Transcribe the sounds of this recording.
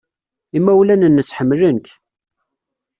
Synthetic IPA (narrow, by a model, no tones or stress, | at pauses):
imːæwlænənːəsħəmːlənk